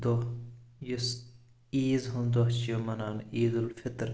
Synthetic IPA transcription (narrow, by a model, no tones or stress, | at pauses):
d̪ojʊs | iːzɦʊnd̪oht͡ʃijomɐnaːniːd̪ulfɪt̪ɾ